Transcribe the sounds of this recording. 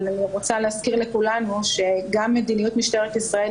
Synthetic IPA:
nanuʁot͡saleazkiʁlekulanuʃe̞ɡamːed̪inijut̪miʃt̪eʁet̪isʁae

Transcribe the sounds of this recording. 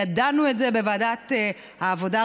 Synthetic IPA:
adanuetzebevaːdat̪ | haːvo̞da

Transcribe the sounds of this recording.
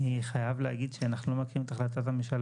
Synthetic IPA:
iχajavleaɡid̪ʃeanaχnulo̞makiʁimet̪aχlat̪̬at̪hamiʃal

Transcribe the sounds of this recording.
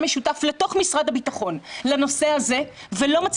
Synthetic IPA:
meʃutafle̞to̞χmisʁad̪habitaχo̞nlano̞se̞haze̞velo̞mat͡s

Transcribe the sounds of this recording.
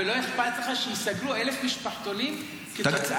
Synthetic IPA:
eloeħbat̪leχaʃejist̪aɡluʔelefmiʃpaħt̪onim | ket̪a

